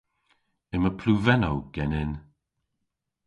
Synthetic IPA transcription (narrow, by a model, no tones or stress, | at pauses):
ɪməpʰluvɛnowɡ̥ɛnɪn